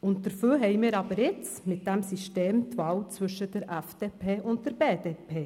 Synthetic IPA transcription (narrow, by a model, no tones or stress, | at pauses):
ʊnt̚d̥əɾfyːɦɛɪmɪːɾɑbəɾɪt͡smɪt̚d̥æmsiʃteːmtvɑːwt͡svʏʃəd̥əɾæfd̥eːpʰeːʔʊnt̚d̥əɾbeːdepʰeː